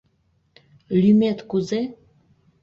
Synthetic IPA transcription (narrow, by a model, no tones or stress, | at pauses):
lymet̪kuze